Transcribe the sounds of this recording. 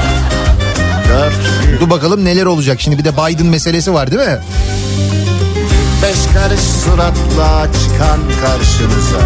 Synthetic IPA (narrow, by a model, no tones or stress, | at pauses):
d̪ad̪ubakalˠɯmne̞lʲæɾo̞lˠud͡ʒakʃimd̪ibid̪ɛbajd̪ɯnmese̞lʲe̞s̬ivaɾd̪imɪ | binbɛʃkʰaɾɯʃsuɾaklˠaːt͡ʃʰkʰankʰaɾʃɯmɯz